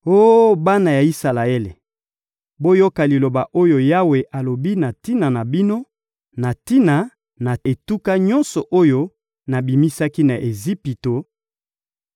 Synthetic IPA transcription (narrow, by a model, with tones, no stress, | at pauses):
o˦ba˦na˨ja˨i˦sa˨la˨e˦lḛ˨ | bo˦jo˦ka˨li˨lo˨ba˨ʔo˦jo˨ja˦we˨ʔa˨lo˨bi˦na˨ti˦na˨na˨bi˦no˦ | na˨ti˦na˨ | na˨e˨tu˦ka˦ɲɔ̃˦nsɔ˨ʔo˦jo˦ | na˨bi˨mi˦sa˦ki˦na˨ʔe˨zi˦pi˨to˨